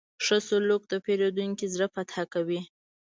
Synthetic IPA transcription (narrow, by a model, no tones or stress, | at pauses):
ʂəsolok̚d̪əpeɾod̪uŋkizɽəfat̪hakawi